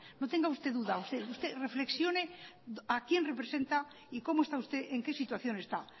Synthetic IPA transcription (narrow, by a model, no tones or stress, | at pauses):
not̪eŋɡaust̪eðuðaust̪eust̪erefleksjoneakjenrepɾesẽnt̪a | ikomoest̪aust̪eʔeŋkesit̪waθjo̞ne̞st̪a